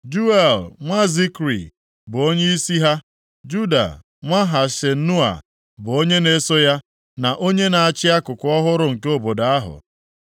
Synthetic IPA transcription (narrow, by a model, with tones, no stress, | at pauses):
d͡ʒu˦e˦˨lŋʷa˦zi˦kɾḭ˨ | bʊ˨o˦ɲe˦i˦si˦ɦa˦ | d͡ʒu˦da̰˨ | ŋʷa˦ɦa˨ʃe˨n̩˦nu˦a̰˨ | bʊ˨o˦ɲe˦ne˦so˦ja˦ | na˨ʔo˦ɲe˦na˨a˨t͡ʃɪ˦a˦kʊ˨kʊ˦ɔ˦ɦʊ˦ɾʊ˦ŋ̩˨ko˦bo˨da˨a˦ɦʊ̰˨